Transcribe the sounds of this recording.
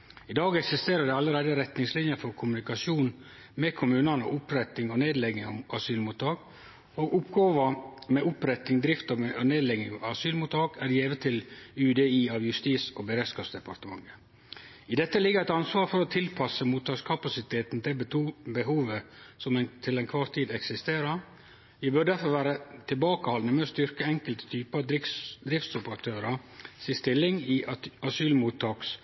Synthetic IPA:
ɪd̪ɑːɡɛksɪst̪eːɾəɖ̪ɛɑləɾeːd̪əɾɛt̪nɪŋslɪnjəfɔɾkʰʊmʉnɪkɑʃuːn | mɛkʰʊmʉːnɑnə̰ʔʊpɾɛt̪ːɪŋɔneːd̪lɛɡ̪ɪŋɑsyːlmuːt̪ʰɑːk | oːɡʊpɡoːʋɑmɛʔʊpɾɛt̪ɪŋd̪ɾɪft̪ɑneːd̪lɛɡnɪŋɑɑsyːlmuːt̪ɑːkæɖjeːʋət̪ʰɪlʉːd̪eiːɑʋjʉst̪iːsɔbɛɾɛskɑsd̪ɛpɑɾt̪əmɑ̰ŋːə | ɪd̪ɛt̪ːəlɪɡəɾæɪt̪ɑnsʋɑːɾfɔɾɔt̪ʰɪlpʰɑsəmuːt̪ʰːɑːkskʰɑpɑsɪt̪ʰeːt̪nd̪ɛbət̪ʰuːbəɦuːʋəsɔmɛt̪ʰɪlɛnkʰʋɑːɾt̪ʰiːd̪ɛksɪst̪eːɾəɾ | jæɪbœɾɖ̪æɾfɔɾʋæːɾət̪ʰɪlbɑːkəhɑlnəmɛɔst̪ʏɾkəɛŋkəlt̪ə̥t̪ʰyːpəɑd̪d̪ɾɪft̪sʊpəɾɑt̪ʰøːɾɑsɪst̪ɪlːɪŋiɑɑsyːlmut̪ʰːɑːks

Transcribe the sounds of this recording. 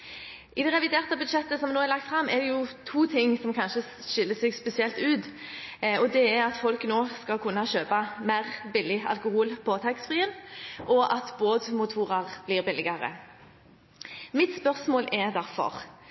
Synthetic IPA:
ʔɪd̪ɛʁɛʋɪd̪eːʁt̪əbʉd̪ʃɛt̪ːəsɔmnoːɛɾlɑk̚t̪fɾɑmːɛd̪ɛjʊt̪ʰuːt̪ʰɪŋːsɔmkʰɑnʃə | ʃɪlːəsɛɡspɛsɪɛlt̪ʉːt̪ | ɔd̪ɛɛɾɑt̪fɔlknoːskɑkʰʉnːɑʃøːpɑmæɪʁbɪlːɪɑ̰lkʊhuːlpʰɔt̪ʰɑksfʁiːənʔɔʔɑt̪boːd̪mʊt̪ʰuːʁɑʁblɪːʁbɪlːɪɡɑʁə̰ | mɪt̪spœʁsmoːlʔɛʁd̪æʁfɔ̰ʁ

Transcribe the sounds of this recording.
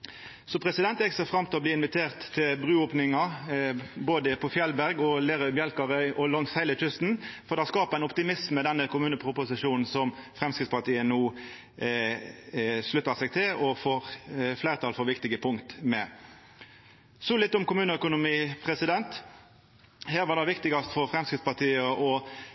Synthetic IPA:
sɔpʰʁɛsɪd̪ɛnt̪jɛksɛfʁɑmt̪ʰɪlɔbliːɪnʋɪt̪ʰeːʁt̪ʰːɪlbʁʉːoːpnɪŋɑ | boːd̪əpʰɔfjɛlbæʁɡɔleːʁœʏbjɛlkɑʁœʏʔɔlɔŋshæɪləc͡çʏst̪n̩fɔʁd̪ɛhɑskɑːpəʁæɪnɔpt̪ɪmɪsmmɛd̪ɛnːəkʊmʉːnəpʰʁʊpʊsɪʃuːnn̩sɔmfʁɛmskʁɪt̪spɑt̪iːənuː | ʂlʉt̪ːəsɛɡt̪ʰɪlɔfɔʁflæɪɾət̪ʰɑːlfɔʋɪkt̪ɪɡəpʰʊŋkt̪mɛ | sɔlɪt̪ːʊmkʊmʉːnəœkʊnʊmiːpʰʁɛsɪd̪ɛnt̪ | hæːʁʋɑʁd̪ɑʋɪkt̪ɪɡɑst̪fɔʁfʁɛmskɪt̪spɑʁt̪ʰiːəʔɔ

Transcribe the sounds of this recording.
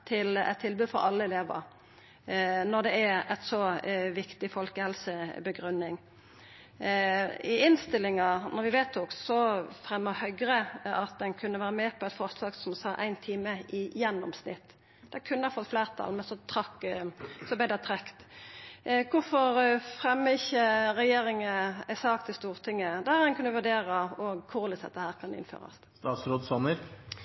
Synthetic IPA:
t̪ʰɪlɛ̰t̪ʰːɪlbʉːfɔɾɑlːəɛleːʋə̰ɾ | nɔd̪ɛææt̪sɔʋɪkt̪ɪfɔlkəhɛlsəbəɡɾʉnːɪŋ | ɪɪnst̪ɪlːɪŋɑnɔɾʋɪʋɛːt̪ʰʊksɔfʁɛmːəhœʏɡɾəɑt̪̚d̪ɛnkʰʉnːəʋæːɾəmɛpʰɔɛt̪fɔɾslɑːɡsɔmsɑːʔæ̰ɪnt̪ʰiːməɪjɛnːɔmsnɪ̰t̪ː | d̪̥ɛkʰʉnːəɑɾfɔt̪ːfleːʁt̪ʰɑ̰lmɛnsɔt̪ʰɾɑkːsɔblɛɪd̪æt̪ʰɾɛkt̪ | kʰʊɾfɔɾfʁɛmːəɪçːəɾɛjeːɾɪŋəæsɑːk̚t̪ʰɪst̪uːʁt̪ʰɪŋːəd̪æd̪ɛnkʰʉnːəʋʉʁd̪eːɾɑɔɡkʰʊʁlɪsɑ̰t̪̚d̪əhæːɾkʰɑnɪ̰nfø̰ːɾɑ̰s | st̪ɑːt̪sɾoːd̪sɔnːəɾ

